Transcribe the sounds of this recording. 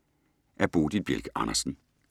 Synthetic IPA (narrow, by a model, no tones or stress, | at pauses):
ʔæɐb̥o̝ːd̥id̚b̥jelɡ̥ɑ̈nɐsn̩